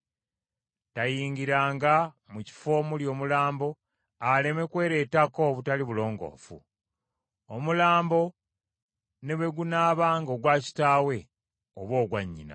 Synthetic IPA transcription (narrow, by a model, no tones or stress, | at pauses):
tajiːŋɡiɾaːŋɡa | muci̥fo̞ːmuljo̞ːmulaːmbo̞ | ale̞me̞kwe̞ːɾeːtako̞βutaliβulo̞ːŋɡo̞̰ːfṵ | omulaːmbo̞ | ne̞βe̞ɡunaːβaːŋɡo̞ɡwaːci̥taːwe̞ | oβwo̞ːɡwaɲːḭna̰